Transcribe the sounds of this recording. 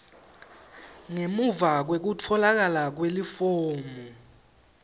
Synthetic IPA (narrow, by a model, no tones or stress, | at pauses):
ŋemuvak̬wek̬utʰɔlak̬alak̬welifoːmu